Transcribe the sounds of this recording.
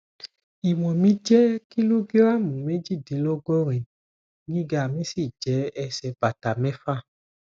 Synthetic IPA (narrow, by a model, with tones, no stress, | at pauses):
i˨wɔ̃˨mĩ˨˦d͡ʒɛ˦ki˦lu˦ɡi˦ɾa˦˨mũ˨me˦d͡ʒi˦˨di˨˦lo˦ɡo˦ɾĩ˨ | nĩ˦ɡa˨mĩ˨˦si˦˨d͡ʒɛ˨˦ɛ˧sɛ˨˦ba˨ta˨mɛ̃˦fa˦˨